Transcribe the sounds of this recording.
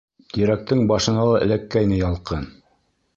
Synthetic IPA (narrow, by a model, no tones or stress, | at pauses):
t̪iɾæk̚t̪ɘŋbɑʃɤ̆nɑlˠɑʔɘ̆lækːæjnɘjɑlˠqɤn